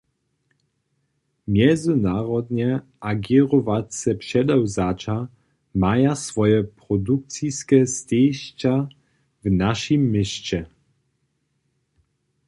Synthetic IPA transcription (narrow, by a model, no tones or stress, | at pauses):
mʲjɛnd̪zɨnaɾɔd̪ɲɛ | ʔaɡʲɛɾɔvat̪sɛpʂɛd̪ɛwzat͡ʂa | majasfɔjɛpɾɔd̪uk̚t̪sʲijskʲɛstɛjɕt͡ɕa | vnaʂimːɘɕt͡ɕɛ